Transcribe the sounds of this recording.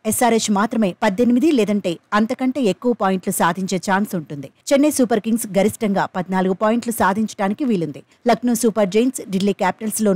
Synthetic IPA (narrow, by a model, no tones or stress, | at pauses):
esaːɾesmaːt̪ɾɐme̞ːpɐd̪ʱːenimid̪ilɛːd̪ɐɳʈe̞ːɐnt̪ɐkɐɳʈe̞ːekːuʋɐpaːjiɳʈlusaːd̪ʱiɲt͡ʃe̞ːt͡ʃaːnsuɳʈund̪it͡ʃenːeːsuːpɐɾkiŋɡsɡɐɾisʈɐŋɡaːpɐd̪ʱinaːluɡupaːjiɳʈlusaːd̪ʱiɲt͡ʃɐ̥ɽaːnikiʋiːlund̪i | lɐɡnuːsuːpɐɾɖɾejnsɖilːiːkaːpi̥ʈɐlslo̞ː